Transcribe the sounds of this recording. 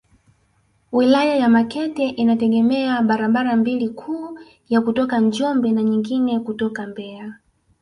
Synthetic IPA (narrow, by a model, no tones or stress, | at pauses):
wilajajamakɛtɛʔinatɛɡɛmɛaɓaɾaɓaɾambilikʰuː | jakutɔkad͡ʒɔmbɛnaɲiŋɡinɛkutɔkambɛa